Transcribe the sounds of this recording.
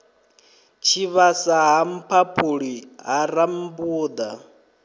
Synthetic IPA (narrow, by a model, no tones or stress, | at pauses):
t͡ʃʰiβasaɦam̩pʰapʰuɺiɦaɾambuːd̪a